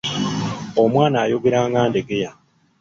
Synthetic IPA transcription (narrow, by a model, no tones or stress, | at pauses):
omwaːnaːjoɡeɾaːŋɡaːnde̞ɡe̞ja